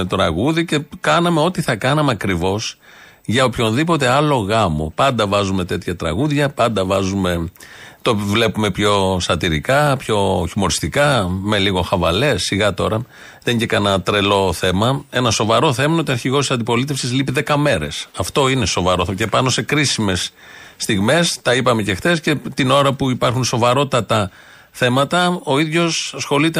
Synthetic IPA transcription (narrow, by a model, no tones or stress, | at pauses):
et̪ɾɐɣuðice̞kɐnɐme̞o̞t̪iθɐkɐnɐmeɐkɾivo̞s | ʝɐopço̞nðipo̞t̪e̞ɐlo̞ɣɐmo̞̰pɐnd̪ɐvɐzume̞t̪e̞t̪çɐt̪ɾɐ̰ɣuðʝɐpɐnd̪ɐvɐzume̞t̪o̞vle̞pume̞pço̞sɐt̪iɾikɐpço̞çimo̞ɾist̪ikɐme̞liɣo̞xɐvɐle̞sːiɣɐt̪o̞ɾɐ | ðeɟekɐnɐt̪ɾe̞lo̞θe̞mɐe̞nɐso̞vɐɾo̞θe̞mɐnot̪iɐɾçiɣo̞st̪isɐnd̪ipo̞lit̪e̞fsizlipiðe̞kɐme̞ɾe̞̰sɐft̪o̞ine̞so̞vɐɾoce̞pɐno̞se̞kɾisime̞sː | t̪iɣme̞st̪ɐipɐme̞ce̞xθe̞sce̞t̪ino̞ɾɐpuipɐɾxunso̞vɐɾo̞t̪ɐt̪ɐ | θe̞mɐt̪ɐo̞iðʝo̞sɐsxo̞lit̪e